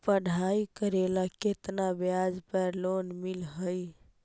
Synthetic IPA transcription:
pəɽʱaikəɾelaket̪nabjad͡ʒpəɾlonmilɦəj

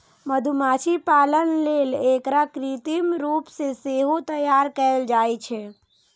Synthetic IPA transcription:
məd̪ʱumat͡ʃʰipalənlelekɾakɾit̪imɾupseseɦot̪əjaɾkəld͡ʒajt͡ʃʰɛ

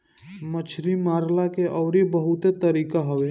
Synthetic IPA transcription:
mət͡ʃʰɾimaːɾlakeʔɔːɾibəɦʊt̪et̪əɾiːkaɦoʋe

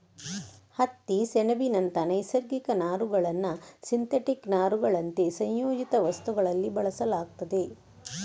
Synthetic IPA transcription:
hɐt̪ːisɛnɐbinɐnt̪ɐnɐjsɐɾɡikɐnaːɾuɡɐɭɐnːɐsint̪eʈiknaːɾuɡɐɭɐnt̪esɐ̃ɲjoːd͡ʒit̪ɐʋɐst̪uɡɐɭɐlːibɐɭɐsɐlaːɡ̚t̪ɐd̪e̞

